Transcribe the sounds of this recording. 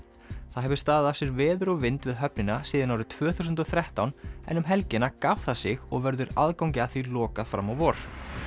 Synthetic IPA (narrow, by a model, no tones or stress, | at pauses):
θaðɦɛvʏɾ̥st̪aːððafsɪɾvɛːðʏɾɔwvɪnt̪vɪðɦœpnɪnasiːðanawɾʏt̪ʰv̥œːθusʏnt̪ɔθɾɛht̪awnɛ̰nːʏmɦɛlcɪnakawθasɪɣɔɣvɛɾðʏɾa̰ðkawŋcɪaθilɔːkaðfɾa̰mːɔwvɔɾ̥